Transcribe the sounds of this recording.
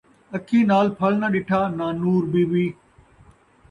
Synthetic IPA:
əkʰiːnaːlpʰəlnaɗɪʈʰaːnãːnuːɾbiːʋiː

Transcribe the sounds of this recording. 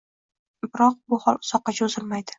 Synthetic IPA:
bɪɾɒq̚bʊhɒlˠsɒqːɑt͡ʃʰaʊzɪlmajd̪ɪ̥

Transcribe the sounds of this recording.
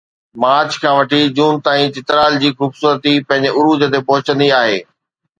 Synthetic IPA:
maːɾt͡ɕʰkʰãːʋɐʈʰid͡ʑuːnt̪aːĩt͡ɕɪt̪ɾaːld͡ʑiːxʊbsuːɾət̪ipɐ̃ɦɪ̃ɲd͡ʑɪʊɾuːd͡ʑət̪epɐɦʊt͡ɕə̃nd̪iaːɦeː

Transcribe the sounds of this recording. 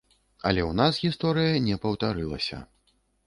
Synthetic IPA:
ɐ̰lʲɛwnasɣʲist̪ɔɾɨjɐnʲɛpɐwt̪aɾɨlˠɐ̰sʲɐ̰

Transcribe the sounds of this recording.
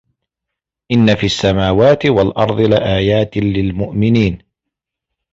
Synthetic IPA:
ʔɪnːafiːʔasːamaːwaːt̪ɪwalʔɑɾˤd̪ˤɨlɪʔaːjaːt̪ɪlɪlmʊʔmɪniːn

